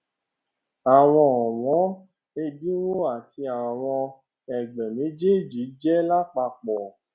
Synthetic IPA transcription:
a˨w̃ɔ̃˧ɔ̃˨wɔ̃˨˦ | e˧dĩ˦wo˦a˨ti˧a˨w̃ɔ̃˧ | ɛ˨ɡ͡bɛ˨mĩ˨˦d͡ʒe˦˨d͡ʒi˨˦d͡ʒɛ˦la˦˨k͡pa˧k͡pɔ˨

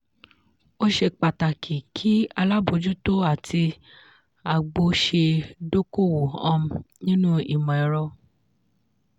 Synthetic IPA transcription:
o˦ʃe˧k͡pa˨ta˨kʰi˨kʰi˦a˧la˦bo˨˧˦d͡ʒu˦to˦a˦˨tʰi˧ | a˨ɡ͡bo˧ʃe˧do˦ko˦˨wo˨ɔ˧m̩˨nĩ˦nũ˦i˨mɔ̃˨ɛ˨ɾɔ˧

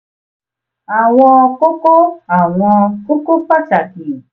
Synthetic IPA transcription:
a˨w̃ɔ̃˧ko˦ko˦a˨w̃ɔ̃˧ko˦ko˦k͡pa˦t͡ʃa˨ki˨

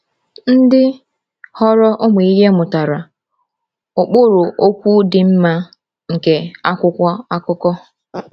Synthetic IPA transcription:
n̩˦dɪ˦ | hɔ˦ɾɔ˦ʔʊ˦mʊ˨i˦ɦe˦mʊ˨ta˨ɾa˨ | ʊ˨k͡pʊ˦ɾʊ˨ʔo˦kʷu˦dɪ˨m̩˦ma˦ | ŋ̩˨ke˨a˦kʊ˦kʷɔ˦a˦kʊ˦kɔ˦

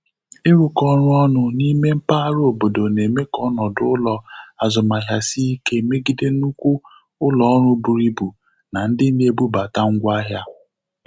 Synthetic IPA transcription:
ɪ˦ɾu˨kɔ˦ɾʊ˦ɔ˦nʊ˨ni˦me˦m̩˦pa˦ɾo˨bo˨do˨ne˨me˦kɔ˦nɔ˨dʊ˦ʊ˦lɔ˨a˨zʊ˨ma˨ɦja˨si˦i˦ke˦˨me˦ɡi˦de˦nu˦kʷu˦ | ʊ˦lɔ˨ɔ˦ɾʊ˦bu˨ɾi˦bu˨ | na˨n̩˦dɪ˦ne˨bu˦ba˨ta˦ŋ̩˦ɡʷa˦ɦja˦

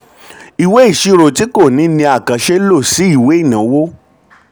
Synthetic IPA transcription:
i˨we˨˦i˦˨ʃi˧ɾo˨ti˨˦ko˦˨nĩ˨˦nĩ˧a˨kã˨ʃe˦lo˦˨si˨˦i˦˨we˨˦i˦˨nã˨˦wo˦

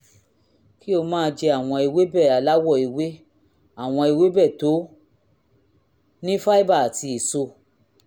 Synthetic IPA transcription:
ki˦o˧mãː˦˧d͡ʒe˧a˦˨w̃ɔ̃˧i˨we˨˦bɛ˦˨a˨la˨˦wɔ˦˨i˨we˨˦ | a˦˨w̃ɔ̃˧i˨we˦bɛ˦˨to˨˦ | nĩ˦fa˦i˦ba˦˨ti˧i˨so˧

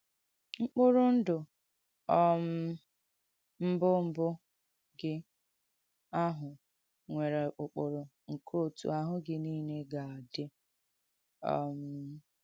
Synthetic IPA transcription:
ŋ͡m̩˦k͡pʊ˦ɾʊ˦n̩˦dʊ˨ | ɔ˦m̩˦ | m̩˦bʊ˦m̩˦bʊ˦ | ɡɪ˦ | a˦ɦʊ˨ | ŋʷe˨ɾe˨ʊ˨k͡pʊ˨ɾʊ˨ | ŋ̩˨kʰo˦˨tṵ˨˦a˨ɦʊ˦ɡɪ˦niː˦ne˦ɡa˨a˨dɪ˦ | ɔ̰˨m̩˨

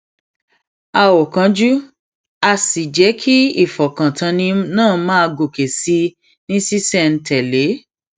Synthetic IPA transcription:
a˧wɔ˨kã˧d͡ʒu˦ | a˧si˨d͡ʒɛ˨˦kʰi˦i˦˨fɔ˨kã˨tʰã˧nĩ˧nãː˦˨˦mãː˦˧ɡo˨ke˨si˧˦ | nĩ˦si˦sɛ˦˨n̩˨tɛ˨le˨˦

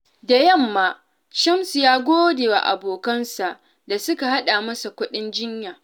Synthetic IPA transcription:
da˨jɐ˦˨mːaː˦ | t͡ʃɐ˦msu˨jaː˦ɡʷoː˦deː˨wa̰˨ʔa̰˨boː˨kɐ˦nsa˨ʔ | da˨sʊ˦ka˨ha˦ɗaː˨mɐ˦sa˨kʷʊ˦ɗɪ˦nd͡ʒɪ˦ɲjaː˨

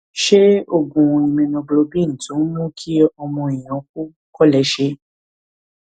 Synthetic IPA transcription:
ʃe˦o˦˧ɡũ˨˧ĩ˨mĩ˨˧nɔ̃˧˨ɡ͡blo˧bĩ˦n̩˨tũ˨˦mũ˦kʰi˦ɔ˧mɔ̃˧ĩ˨j̃ɔ̃˨˦k̚u˦ | kɔ˦lɛ˨˦ʃe˧˦

